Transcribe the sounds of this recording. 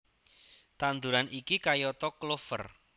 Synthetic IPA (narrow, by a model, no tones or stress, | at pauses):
t̪and̪uɾanʔikikajɔt̪ɔklofə̰r